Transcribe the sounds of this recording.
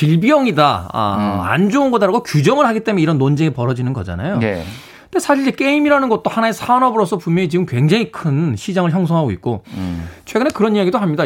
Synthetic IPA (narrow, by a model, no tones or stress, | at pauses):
t͡ɕiɭbijʌŋida̰ | a̰nd͡ʑounɡʌdaɾaɡokjud͡ʑʌŋɯɭhaɡit͈e̞meiɾʌnːond͡ʑeŋepʌɾʌd͡ʑinɯnɡʌ̰d͡ʑa̰na̰jo | desʰaɕʰiɭd͡ʑek͈e̞imiɾanɯnɡʌt̚t͈ohanaesʰanʌbɯɾosʰʌpunmjʌŋit͡ɕiɡɯmkwe̞ŋd͡ʑaŋikʰɯnɕʰid͡ʑaŋɯɭçjʌŋs̬ʰʌŋɦaɡoik̚k͈ot͡ɕʰwe̞ɡɯnekɯɾʌnijaɡidohamɲida